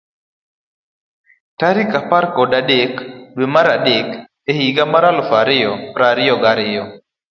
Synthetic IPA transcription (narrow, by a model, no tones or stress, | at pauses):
taɾikapaɾkɔdaɗekɗwemaɾaɗek | ehiɡamaɾalʊfaɾɪjɔpɾaɾɪjɔɡaɾɪjɔ